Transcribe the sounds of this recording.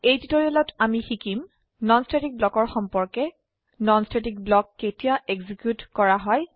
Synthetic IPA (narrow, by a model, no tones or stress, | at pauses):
ejtitɔɹiɔlɔtamixikim | nɔnstetik̚blɔkɔɹxɔmpɔɹkɛ | nɔnstʰetik̚blɔkːetijaʔeɡzikjutkɔɹaɦɔj